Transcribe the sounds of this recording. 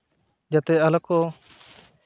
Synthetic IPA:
d͡ʒat̪ɛalakɔ

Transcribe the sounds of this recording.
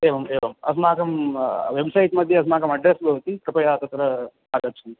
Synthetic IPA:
eːʋɐmeːʋɐmɐ̰sɐmaːkɐmʋebsɐjiʈ̪mɐd̪ʱjɐɐs̬ɐmaːkɐmɐɖɾesbʱɐʋt̪ipɾɐpɐjaːt̪ɐt̪ːɐɾɐ | aːɡɐt͡ʃːund̪i

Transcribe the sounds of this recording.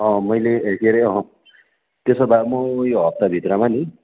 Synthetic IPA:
ʌ̃mʌjleekeɾeʌɦʌ̃ | t̪esʌbamʌjoɦʌp̚t̪abʱit̪ɾʌmani

